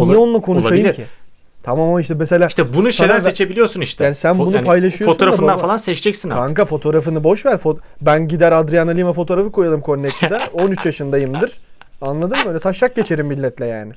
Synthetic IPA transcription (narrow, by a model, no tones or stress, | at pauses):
nɛonunˠakʰo̞nuʃajɯmcʰi | t̪ʰamamaiʃt̪ɛmese̞lʲaːʃt̪ɛbunuʃejlʲɾset͡ʃʰebilʲijo̞ɾsuniʃt̪ʰɛjaːnisænbbunupʰajlˠaʃɯjofot̪oɾaffɯnanalˠansɛt͡ʃd͡ʒɛcsinaŋkafo̞t̪ʰo̞ːɾafɯnɯbo̞ʃvæɾfobænɟid̪æɾad̪ɾijanalʲˠimafot̪ʰo̞ɾafɯkʰo̞jalˠɯmkʰo̞ɾect̪ʰʲd̪ɛo̞nyt͡ʃjaʃɯnd̪ajɯmd̪ɯɾ̥ | anlˠad̪ɯmbøːlʲɛt̪ʰaʃlak̚ɟe̞t͡ʃʰe̞ɾimbilʲːɛt̪lʲɛja̰ːnɪ